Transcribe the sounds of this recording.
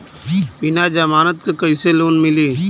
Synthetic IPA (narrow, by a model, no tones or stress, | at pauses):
bɪnaːd͡ʒɐmaːnɐt̪̚kɯkɐɪseloːnmɪliː